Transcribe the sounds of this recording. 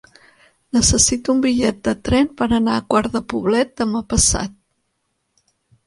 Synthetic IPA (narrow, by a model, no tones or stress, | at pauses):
nəsəsit̪uumbiʎɛt̪̚d̪ət̪ɾɛmpəɾənaəkwaɾðəpuβ̞lɛt̪̚d̪əməpəsa̰t̪̚